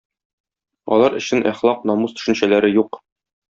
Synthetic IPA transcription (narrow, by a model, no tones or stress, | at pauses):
ɒ̰lˠɑɾɘ̆ɕɘnʔæχlˠɑqnɒmust̪ɵ̥̆ʃɘ̆nɕælæɾɘjuq